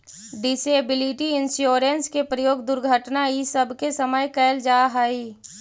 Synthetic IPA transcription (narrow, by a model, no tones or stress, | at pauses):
ɖɪseːbɪlɪʈiɪnsjoːɾənskepɾəjoːɡd̪ʊɾɡʱəʈnaisəbʱkesəməjkɛːld͡ʒaːɦai